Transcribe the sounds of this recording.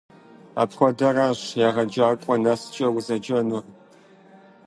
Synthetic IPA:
a̰ːpxʷɔdɐraːɕjaːʁɐd͡ʒaːrkʷʼɔnɐst͡ʃʼɐwzɐd͡ʒɐnʊ

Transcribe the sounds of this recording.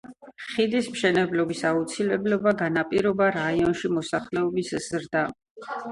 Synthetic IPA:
χid̪ismʃɛnɛblɔbisaut̪sʰilɛblɔbaɡanapʼiɾɔbaɾaiɔnʃimɔsaχlɛɔbisz̥ɾd̪a

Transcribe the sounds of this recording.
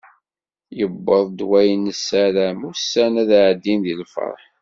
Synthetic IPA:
jəbːəðˤd̪wæjənəsːæɾæmʊsːænæðʕd̪ːinðilfə̰ɾˤħ

